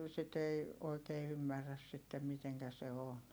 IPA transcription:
sit ei oikeː ymːærːæs sitːem miteŋkæ se on

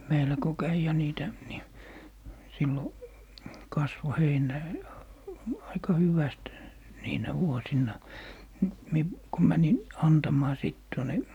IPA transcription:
meilæ ko kæi jɑ niːtæ ni silːo kɑsʋo heinˑæ ɑikɑ hyʋæst niːnæ ʋuosinːɑ ni mie ko mænin ɑntɑmˑɑː siˑt tuone

